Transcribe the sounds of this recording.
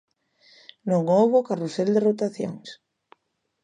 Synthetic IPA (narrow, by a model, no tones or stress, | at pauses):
nõŋowβokaruseld̪erot̪aθjo̰ŋs